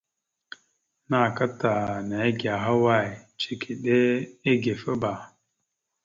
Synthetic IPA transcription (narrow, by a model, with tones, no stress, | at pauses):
na˨ka˦ta˨na˨˦ɡa˨ɦa˦wa˦˨i˨t͡ʃe˨kʰi˨ɗe˦e˦ɡe˨fə˦ba˨